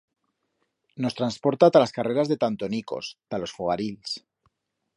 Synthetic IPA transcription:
no̞st̪ɾanspo̞ɾt̪at̪alaskare̞ɾazðet̪ant̪o̞niko̞̰st̪alo̞sfoɣ̞aɾils

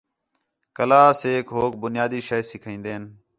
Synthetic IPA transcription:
kəlaːseːkɦoːk̚bʊnɪjaːd̪iːʃəsɪkʰĩːnd̪eːn

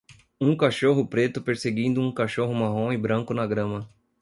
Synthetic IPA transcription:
ũkaʃoɦʊpɾet̪ʊpeɾseɡĩd̪ʊũkaʃoɦʊmaɦõɪbɾɐ̃ŋkʊnɐɡɾɐ̃mɐ

